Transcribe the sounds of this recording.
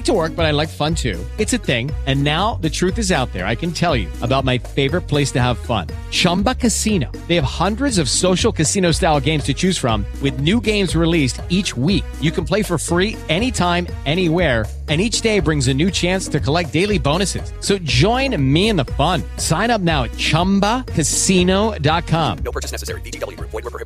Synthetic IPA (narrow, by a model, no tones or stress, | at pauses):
tʰəwɜ˞k̚b̥ʌɾaɪlaɪkfʌ̃ntʰʉ̰ | ɨtsɨθɪ̃ŋɨ̃nːaʊðɨtʰɹ̥ʉθɨzaʊt̪̚ðə̰˞a̰ɪkɨ̃n̩tʰɛlˠjʉ̰ʔəbaʊt̚maɪfeɪvə˞ɨt̚pʰl̥eɪstɨəv̥fʌ̰̃nt͡ʃʰʌ̃mbəkʰɨsĩnoʊðeɪɨv̥hʌ̃ndɹɨdzʌv̥soʊʃl̩ˠkɨsĩnoʊstaɪlˠɡẽɪ̃mz̥tʰɨt͡ʃʰʉz̥fɹʌ̃mwɨðnʉɡẽɪ̃mzɹilistit͡ʃwik̚jɨkn̩pʰl̥eɪfə˞fɹi | ɛñitʰãɪ̃m | ɛɾ̃iwɛɹ | ɨ̃nit͡ʃd̥eɪbɹɪ̃ŋzɨnʉt͡ʃʰæ̃nstʰɨkʰəlɛk̚d̥eɪlˠibõʊɾ̃nɨsɨ̰z̥soʊd͡ʒɔ̃ɪ̃nmiɨ̃nðəfʌ̃nsãɪ̃ñʌp̚naʊɨt̚t͡ʃʰʌ̃mbəkʰɨsinoʊdɑt̚kʰɑ̃m